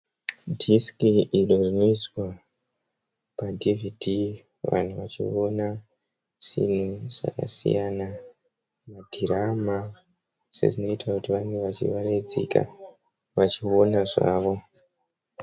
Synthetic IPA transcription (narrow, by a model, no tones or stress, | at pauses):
dʱiskiʔiro̞rino̞iswa | padʱividʱi | ʋa̰n̤uʋat͡ʃḭona | ʐ̥ḭn̤uʐ̥a̰ka̰sḭjana | madʱirama | se̞̰ʐino̞itʰakutiʋaŋɡe̞ʋat͡ʃḭʋared͡zḛka̰ | ʋat͡ʃio̞naʐa̰ːʋo̞